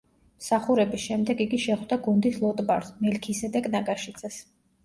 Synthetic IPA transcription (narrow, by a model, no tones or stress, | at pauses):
msaχuɾɛbisʃɛmd̪ɛɡiɡiʃɛχd̪aɡund̪islˠɔt̪ʼbaɾsmɛlkʰisɛd̪akʼnaɡaʃit̪sʰʼɛs